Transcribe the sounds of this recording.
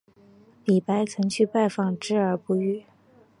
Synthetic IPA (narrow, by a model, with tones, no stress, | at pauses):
li˨˩pa˧˥ɪt͡sʰɤ˧˥ŋt͡ɕʰy˥˧pa˥˧ɪfɑ˥˩ŋʈ͡ʂɻ̩˥ə˞˧˥pu˥˧y˥˩